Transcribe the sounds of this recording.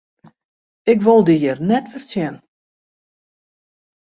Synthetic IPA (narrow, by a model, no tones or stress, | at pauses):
ɪkʋolˠdijərnɛtfərsjɛn